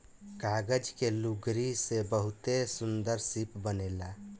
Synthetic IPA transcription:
kaɡəd͡ʒkeluɡɾisebəɦut̪esund̪əɾsipbənela

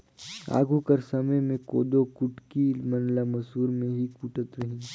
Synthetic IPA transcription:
a̰ːɡukɐɾsɐməjmẽko̰ːd̪okʊʈkimɐnlamɐsɦuːɾmẽɦikuːʈət̪ɾɐɦĩː

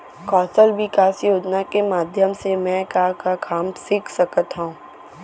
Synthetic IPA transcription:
kɔːsəlʋɪkaːsjoːd͡ʒnakemaːd̪ʱjəmsemɛ̃kakakʰaːmsɪkʰsɐkət̪ɦaũː

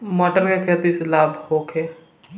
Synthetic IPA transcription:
məʈəɾkekʰet̪islaːbʱhoːkʰeː

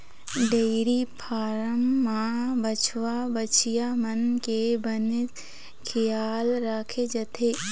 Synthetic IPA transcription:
ɖeɾipʰaːɾəmːãbət͡ʃʰwabət͡ʃʰijamənkebənɪt̪ | kʰɪjaːlɾaːkʰed͡ʒɐt̪ʰeː

